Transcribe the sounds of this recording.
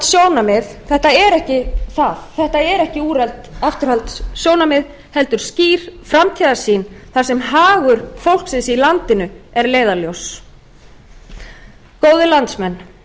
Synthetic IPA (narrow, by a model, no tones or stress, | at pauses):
t̪sjoːwnamɪðθɛht̪aɛɾɛhcɪθaðθɛht̪aɛɾɛhcɪuːɾɛlt̪aft̪ʏɾ̥halt̪sjownamɪð | hɛlt̪ʏɾ̥sciːɾ̥fɾamt̪ʰiːðasinθasɛmɦaːɣʏɾ̥fowl̥ksɪnsilant̪ɪnʏɛɾleːjðaljows | koːwðɪlant̪smɛnː